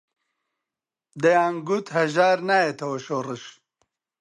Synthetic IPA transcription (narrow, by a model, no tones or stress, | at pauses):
d̪ɐjaːŋɡut̪hɐʒaːɾnaːjet̪ʰɐwɐʃoːrɨʃ